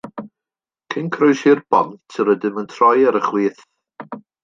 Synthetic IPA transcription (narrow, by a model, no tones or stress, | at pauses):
kʰɪnkʰrʊjshirb̥ɔ̰mtʰəɾədɪməntʰrɔjaɾəχliːθ